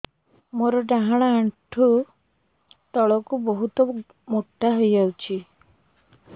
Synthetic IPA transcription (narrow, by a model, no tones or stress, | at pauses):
moɾɔɖaɦaɽ̃aːɳʈʰu | t̪ɔɭɔkubɔɦut̪ɔ | moʈːaɦojd͡ʒawt͡ʃʰi